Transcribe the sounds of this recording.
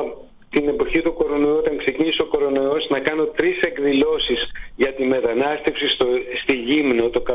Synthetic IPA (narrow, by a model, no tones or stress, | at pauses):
t̪ine̞po̞çit̪uko̞ɾo̞nojuo̞t̪ɐŋkse̞ciniso̞ko̞ɾo̞nojo̞znɐkɐno̞t̪ɾise̞kðilo̞sisʝɐt̪ime̞t̪ɐnɐst̪e̞fsisost̪iʝimnot̪o̞kɐ